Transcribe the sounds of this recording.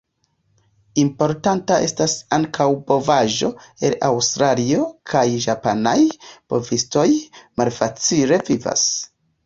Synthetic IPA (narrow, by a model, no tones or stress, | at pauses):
impo̞ɾtantaʔe̞stasaŋkʰawbo̞vaʒo̞e̞lawstɾalio̞kʰajʒapanajb̥o̞visto̞jmalfat͡sile̞viva̰s